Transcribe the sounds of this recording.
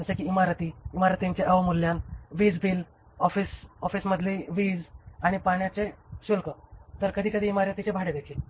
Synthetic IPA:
sekiːmaɾət̪iːmaɾət̪iɲt͡ɕeʔəʋmulːjanʋiːd͡zbil | ɔfisɔfisməd̪ʱleʋiːd͡zaɽ̃ipaɽ̃jat͡seɕulkət̪əɾkəd̪ʱiːkəd̪ʱiːmaɾət̪it͡ɕebʱaɽed̪ekʰil

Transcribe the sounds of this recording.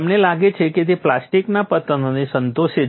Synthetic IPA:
mnelaɡet͡ʃʰeked̪eplasʈiknapət̪ənonisənt̪oʃe

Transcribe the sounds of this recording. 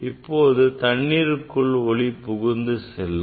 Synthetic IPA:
ɪpːoːðɯt̪ɐɳːiːɾɯkːɯɭɔɭipʊɣɯnd̪ɯsɛlːɯ

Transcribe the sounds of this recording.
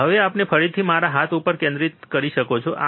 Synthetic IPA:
ɦəʋeapnepʰəɾit̪ʰimaɾaɦat̪upəɾkẽnd̪ɾit̪kəɾiʃəkot͡ʃʰoʔa̰

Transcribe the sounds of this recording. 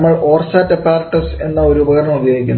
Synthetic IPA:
mːɐɭʔoːrsaːtːɐpːaːrɐʈːɐse̞nːɐoɾuubɐɣɐrɳɐmubjoːɡikʲːunː

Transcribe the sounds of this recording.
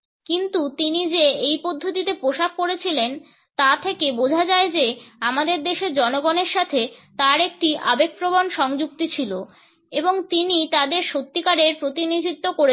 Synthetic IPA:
kint̪ut̪inid͡ʑeejpod̪ʱːot̪it̪epɾoʃak̚koɾet͡ɕʰilen | t̪at̪ʰekebod͡ʑʱad͡ʑaed͡ʑeamad̪eɾd̪eʃeɾd͡ʑɔnoɡoneɾʃat̪ʰet̪aɾek̚ʈiʔa̰bek̚pɾobonʃɔŋd͡ʑuk̚t̪it͡ɕʰilo | eboŋt̪init̪ad̪eɾʃot̪ːikaɾeɾpɾot̪inid̪ʱit̪ːokoɾe

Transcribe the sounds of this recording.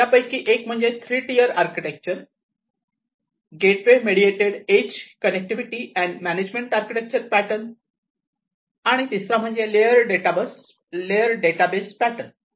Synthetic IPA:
t̪japəjkiːʔekm̤əɳd͡zet̪ʰɾiʈijəɾaɾkiʈek̚t͡ɕəɾ | ɡeʈʋemeɽieʈeɽed͡ʑkənek̚ʈiʋiʈiʔɛ̃ɳɖmæned͡ʑmẽɳʈaɾkiʈek̚t͡ɕəɾpæʈən | aɽ̃it̪isam̤əɳd͡zelejəɾɖeʈabəs | leəɾɖeʈabespæʈən

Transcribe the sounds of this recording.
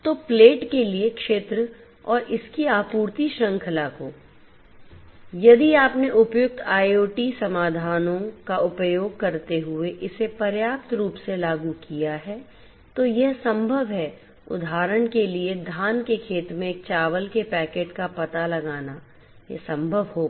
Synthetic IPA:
t̪oːpleːʈkeliekʃeːt̪ɾə | ɔːɾʔɪskiaːpuːɾt̪iʃɾɐ̃ŋkʰəlakoː | jɐd̪iaːpneʔʊpjʊk̚t̪ʰaːjoːʈisɐmaːd̪ʱaːnõkaʔʊpjoːɡ̚kɐɾt̪eɦʊeʔɪsepɐɾjaːp̚t̪ɾuːpselaːɡukijaɦɛ | t̪ojɛɦsɐ̃mbʱəʋɦɛ | ʊ̰d̪ʱaːɾəɽ̃kelied̪ʱaːnkekʰeːt̪mẽːk̚t͡ʃaːʋəlkepɛːkeːʈkapɐt̪alɐɡaːna | jḛsɐ̃mbʱəʋɦoː

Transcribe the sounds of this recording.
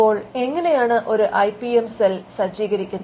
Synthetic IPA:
o̞ːɭe̞ŋːɐne̞jaːɳɨʔo̞ɾuʔɐjpːiemselsɐd͡ʑiːɣɐɾikʲːunːɐ

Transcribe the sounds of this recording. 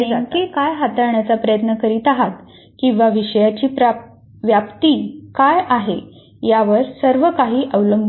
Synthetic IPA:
eŋkekajɦat̪aɾɳjat͡sapɾəjət̪nəkəɾiːt̪aɦat̪ | kĩw̃ʋaʋiɕəjat͡ɕiːpɾa | ʋjapt̪iːkajaɦe | jaʋəɾsəɾʋəkaɦiːʔəʋləmb

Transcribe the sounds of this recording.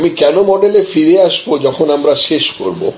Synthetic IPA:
mikɛnomɔɖelefʰiɾeasbod͡ʒɔkʰɔnamɾaʃeʃko̰ɹbo̰

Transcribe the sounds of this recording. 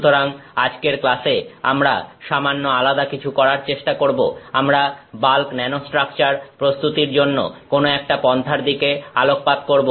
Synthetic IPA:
t̪oɾaŋad͡ʑkeɾklasea̰mɾa̰ʃamanːoalad̪akit͡ɕʰukɔɾaɾt͡ɕeʃʈakoɾboamɾabalknɛnosʈɾak̚t͡ɕaɾpɾost̪ut̪iɾd͡ʑonːo̰konoɛkʈapɔnt̪ʰaɾd̪ikealok̚pad̪koɾbo

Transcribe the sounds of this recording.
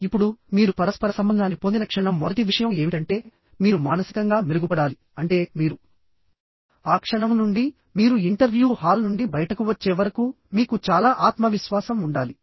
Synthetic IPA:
ipːuɽumiːɾupɐɾɐspɐɾɐsɐmbɐnd̪ʱaːnkipond̪inɐkʂɐɳɐmːɔd̪ɐtiʋiʂɐjɐme̞ːmiʈɐɳʈe̞ː | miːɾumaːnɐsi̥kɐŋɡaːmiɾuɡupɐɽaːli | ɐɳʈe̞ːmiːɾu | aːkʂɐɳɐmnuɳɖi | miːɾuiɳʈɐɾʋjuːhaːlnuɳɖibɐjɐʈɐkuʋɐt͡ʃːeːʋɐɾɐku | miːkut͡ʃaːlaːʔaːt̪mɐʋiʃʋaːsɐmuɳɖaːli

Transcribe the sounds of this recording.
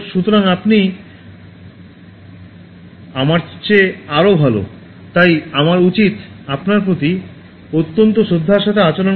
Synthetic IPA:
ʃut̪oɾaŋapni | amaɾt͡ɕeaɾobʱalo̰ | t̪ajamaɾut͡ɕit̪apnaɾpɾot̪i | ot̪ːont̪̬oʃod̪ʱːaɾʃat̪ʰeat͡ɕalon

